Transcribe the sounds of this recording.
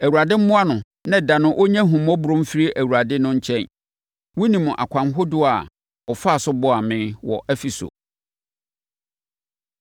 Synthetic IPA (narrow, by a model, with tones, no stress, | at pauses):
æ˨wu˨a˨dɪ˦m̩˦mʊ̃˦a˦nʊ̃˨ | nã˦˨dã˨nʊ̃˦ʔo˦ɲɛ̃˦ɦũ˨mɔ̃˦bʊ˨ɾõ˦m̩˦fi˦ɾi˦ʔæ˨wu˨ɾa˨dɪ˦nʊ̃˦ɲ̩˦t͡ɕʰɛ̃˦n | wʊ˦nĩ˨mʊ̃˨ʔa̰˨kʷʰã˨nɦo˦dʊ˦a˨ | ɔ˨fa˦˨sʊ˦bɔ˦a˨mɪ̃˦wɔ̰˨ʔɛ˦fi˨so̰˨